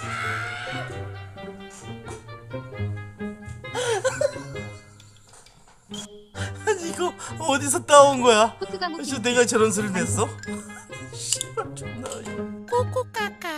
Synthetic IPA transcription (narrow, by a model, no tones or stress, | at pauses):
aɲiɡʌʌdis̬ʰʌt͈anɡʌjasʰʌneɡat͡ɕʌɾʌns̬ʰɯɾɯnes͈ʌ | ɕiʌt͡ɕomnajokok͈ok͈aka